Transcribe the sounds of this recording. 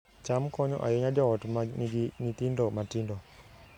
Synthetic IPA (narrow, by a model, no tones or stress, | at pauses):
t͡ʃamkɔɲɔ̰ʔa̰jeɲad͡ʒɔɔtmanɡinit̪indɔmatindɔ